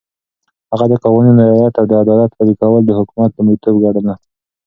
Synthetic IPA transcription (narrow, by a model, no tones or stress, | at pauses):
haɣad̪əkawaninajɑlat̪awd̪əad̪ɑlat̪laɾikawəld̪əhʊkumat̪̚d̪əmət̪obɡaɽəna